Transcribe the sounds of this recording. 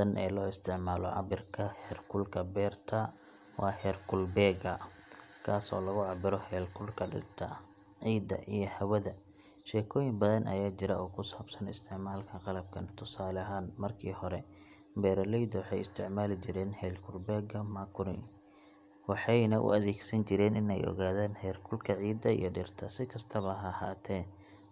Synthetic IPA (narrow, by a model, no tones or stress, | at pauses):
ɐnʔɛ̰ːlɔːɪst̪ʰɪʕmaːlɔʕɑ̰bɪrkʰɐhɛːrkʰʊlkʰɐbɛːrt̪ʰɐ | wɑːhɛːrkʰʊlbɛːɡɐ | kʰaːsɔ̰ːlɐɣʊʕɑbɪɾɔhɛːlkʰʊlkʰɐɖɪ̰rt̪ʰɐ̰ | ʕiːd̪ɐ̰ʔijɞhɐwɐðɐ | ʃɛːkʰɔːjɪŋbɐðɐnʔɐ̰jaːt͡ʃɪɾɐɔːkʰʊsaːbsɐnɪ̰st̪ʰɪʕmaːlkʰɐqɑlɐb̚kʰɐnt̪ʰʊsaːlɐɦaːnmɐrkʰiːhɔɾɛ | bɛːɾɐlɛjd̪ɐwɑħɑjɪst̪ʰɪʕmaːlɪt͡ʃɪɾɛːnhɛːlkʰʊrbɛːɡɐmɐkʰʊɾɪ̰ŋ | wɑħɑjnɐʔʊ̰ɐðɛːɡsɐnt͡ʃɪɾɛːnɪnɛ̰jɔ̰ɣaːðaːnhɛːrkʰʊlkʰɐʕiːd̪ɐḭjɔɖɪrt̪ʰɐsɪkʰɐst̪ʰɐβɐɦɐhaːt̪ʰɛː